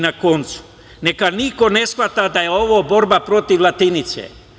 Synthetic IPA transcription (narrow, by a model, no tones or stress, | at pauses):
nako̞nt̪su̥ | nekaniko̞ne̞sxʋat̪ad̪ajeo̞ʋoːbo̞ɾbapɾo̞t̪iʋlˠat̪init̪sḛ